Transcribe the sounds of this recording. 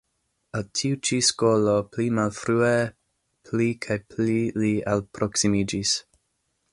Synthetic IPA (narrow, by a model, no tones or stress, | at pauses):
altʰiut͡ʃiskoloplimalfɾue | pʰlikʰajplilialpɾoksimid͡ʒis